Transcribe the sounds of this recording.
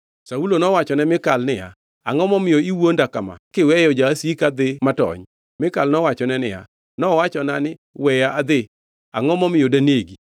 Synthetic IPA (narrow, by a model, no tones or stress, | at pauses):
saulonɔwat͡ʃɔnɛmɪkalnɪja̰ | a̰ŋɔmɔmɪjoiwondakama̰kɪwɛjɔd͡ʒasikad̪ɪmatɔ̰ɲ | mɪkalnɔwat͡ʃɔnɛnɪja̰ | nɔwat͡ʃɔnanɪ | wɛjaʔad̪ɪ | a̰ŋɔmɔmɪjodaneɡi